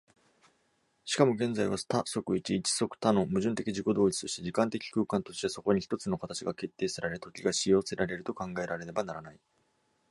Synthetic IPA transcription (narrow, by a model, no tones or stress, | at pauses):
ɕi̥kamo̞ɡẽ̞nd͡zaiβast̪aso̞kɯ̟it͡ɕiːt͡ɕi̥so̞kɯ̟̥t̪ano̞mɯ̟ʑɨ̃nt̪e̞kʲiʑiko̞d̪o̞ːit͡sɨ̥t̪o̞ɕi̥t̪e̞d͡ʑikãnt̪e̞kʲi̥kɯ̟ːkãnt̪o̞ɕi̥t̪eso̞ko̞ɲ̟içi̥t̪o̞t͡sɨno̞kat̪at͡ɕiɡake̞t̪ːe̞ːsaɾaɾet̪o̞kʲiɡaɕijo̞ːse̞ɾaɾe̞ɾɯ̟t̪o̞kãŋɡae̞ɾaɾe̞ɾe̞banaɾanai